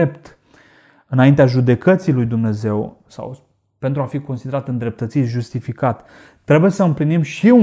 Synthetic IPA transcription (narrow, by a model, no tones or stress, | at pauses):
ept̪ | ɨnaint̪eaʒud̪e̞kət̪silujd̪umne̞ze̞w | sa̰w | pe̞nt̪ɾuafiko̞nsid̪e̞ɾat̪ɨnd̪ɾe̞p̚t̪ət̪sit̪ʒust̪ifikat̪ː | ɾe̞buje̞səɨmplinimʃiu